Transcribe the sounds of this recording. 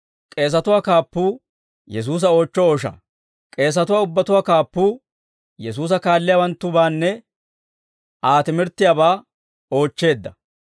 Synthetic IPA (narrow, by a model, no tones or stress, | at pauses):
kʼe̞ːs̬ɐt̪ʊwaːkaːpːuː | jɛs̬uːs̬ɐo̞ːt͡ʃːɔoːʃɐ̰ | kʼe̞ːs̬ɐt̪ʊwaːʊbːɐt̪ʊwaːkaːpːuː | jɛsuːs̬ɐkaːlːɪjaːwɐnt̪ːʊbaːnːɛ | aːt̪ɪmɪɾt̪ːɪjaːbaː | o̞ːt͡ʃːe̞ːd̪ːɐ